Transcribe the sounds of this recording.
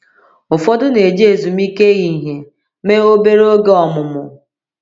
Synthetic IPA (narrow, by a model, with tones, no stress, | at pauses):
ʊ˨fɔ˦dʊ˦ne˨d͡ʒe˨zu˨m˦i˦ke˦ɣi˨ɦe˨ | me˦o˦be˦ɾo˦ɡe˦ɔ˨mʊ˨mʊ˨